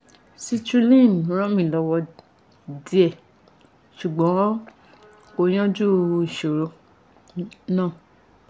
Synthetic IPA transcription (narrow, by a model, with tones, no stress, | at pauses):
si˦tu˦lĩ˦˨n˨ɾ̃ɔ̃˦mĩ˦˨lɔ˧˦wɔ˧ | di˦ɛ˦˨ | ʃu˨ɡ͡bɔ̃˨˦ | ko˧j̃ɔ̃˦d͡ʒu˦˧i˨ʃo˨ɾo˧ | nãː˦˨